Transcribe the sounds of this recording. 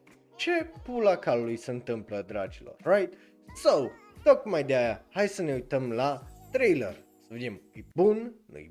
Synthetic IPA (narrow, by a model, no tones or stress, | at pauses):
t͡ʃe̞pulakallujsəɨnt̪ɨmpləd̪ɾat͡ʃilo̰rːajt̪ | sawt̪okmajd̪eajahajsəne̞ujt̪əmlat̪ɾejlə̰r | səved̪emujbunnṵj